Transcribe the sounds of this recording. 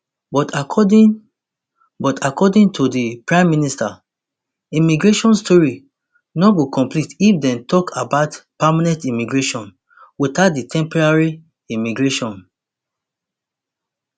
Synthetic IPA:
bɔtaɔd | bɔtʰakɔdĩŋtʰudipɹãɪ̃mːinista | imiɡɹeʃɔ̃nstʰɔɹi | nɔɡokɔ̃mplitifdɛ̃ntɔkʰabatpamanɛ̃ntimiɡɹeʃɔ̃n | witat̚ditʰɛ̃mpɔɹaɹi | imiɡɹeʃɔ̃n

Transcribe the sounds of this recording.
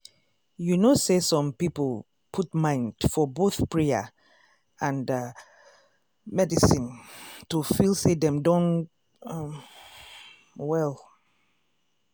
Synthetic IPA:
junosesɔ̃mpiplˠ | pʰutmãɪ̃nd̥fɔboθpɹɛə̰ | ãnd | mɛdisĩntufilˠsedɛ̃mdɔ̃n | wɛl

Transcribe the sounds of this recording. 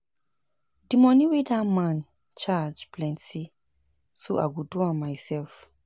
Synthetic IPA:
dimɔniwedamãn | t͡ʃad͡ʒplɛ̃nti | soʔa̰ɡodoãmmaɪsɛlf

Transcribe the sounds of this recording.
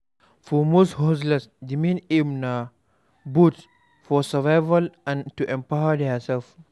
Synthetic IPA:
fɔmoshoslɛsdimĩnemna | but | fɔsəvaɪvalãntuʔɛ̃mpawədasɛlf

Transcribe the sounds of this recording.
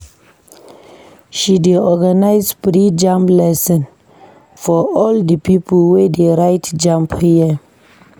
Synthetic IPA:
ʃideɔɡanaɪsbɾid͡ʒãmplɛsə̃n | fɔɔldəpipəl̩wedeɹaɪtd͡ʒãmphiə

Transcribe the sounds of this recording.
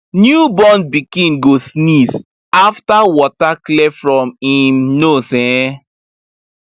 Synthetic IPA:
njubɔ̃nbikĩnɡosnis | aftawɔtaklɛfɹɔ̃mĩmnosɛ̃

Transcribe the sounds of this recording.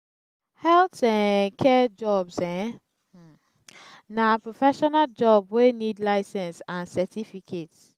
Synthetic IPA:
hɛltɛ̃kʰɛd͡ʒɔbsɛ̃ | napɹofɛʃɔnald͡ʒɔbwenidlaɪsɛ̃nsãnsɛtʰifikʰet

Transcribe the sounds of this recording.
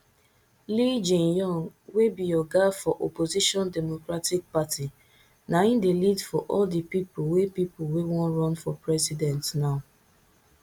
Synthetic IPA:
lid͡ʒẽnjɔ̃ŋwebijɔɡafɔʔopoziʃɔ̃ndɛmokɾatɪk̚pati | naĩndelidfɔʔɔldipipʊwepipʊwewɔ̃nɹɔ̃nfɔpɹɛzidɛ̃ntnaʊ

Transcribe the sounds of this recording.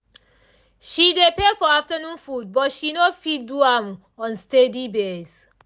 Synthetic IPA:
ʃidepefɔaftənũnfud̚bɔtʃinofidduãm | ɔ̃nstedibes

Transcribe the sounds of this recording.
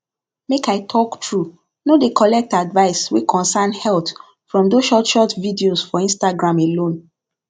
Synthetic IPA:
mekaɪtʰɔktɹu | nodekɔlɛk̚tadvaɪswekʰɔ̃nsanhɛlt | fɹɔ̃mdoʃɔtʃɔtvidiosfɔĩnstaɡɹãmelõn

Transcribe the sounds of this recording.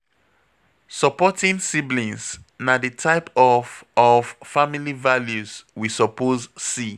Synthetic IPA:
sɔpɔtĩnsiblĩnsnadətʰaɪpɔvɔv̥familivaljuzwisɔpozsi

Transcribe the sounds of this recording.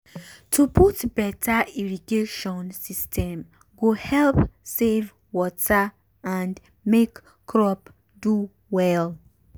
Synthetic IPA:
tʰupʰutbɛtʰaiɹiɡeʃɔ̃nsistʰɛ̃m | ɡohɛlpsev | wɔtʰa | ãnd | mek | kʰːɹɔp | du | wɛl

